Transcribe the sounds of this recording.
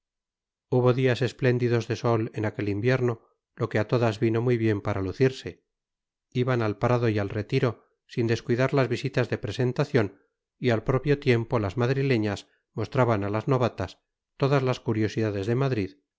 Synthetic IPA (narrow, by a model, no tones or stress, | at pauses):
uβo̞ðiase̞sple̞nd̪iðo̞zðe̞so̞lenake̞limbje̞ɾno̞ | lo̞keat̪o̞ðazβino̞mujβje̞mpaɾaluθiɾse̞ | iβanalpɾaðoialre̞t̪iɾo̞ | sind̪e̞skwiðaɾlazβisit̪azðe̞pɾe̞se̞nt̪aθjo̞n | ialpɾo̞pjot̪je̞mpo̞lazmaðɾile̞ɲas | mo̞st̪ɾaβanalazno̞βat̪as | t̪o̞ðazlaskuɾjo̞siðaðe̞zðe̞maðɾið